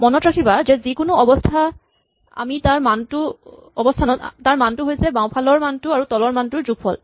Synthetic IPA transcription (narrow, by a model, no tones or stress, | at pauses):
mɔnɔtɹakʰibazɛzikʊnʊɔbɔstʰa | a̰mitaɹmantʊɔbɔstʰanɔtaɹmantʊɦojsɛbãw̃pʰalɔɹmantʊaɹutɔlɔɹmantʊɹzuɡ̚pɔl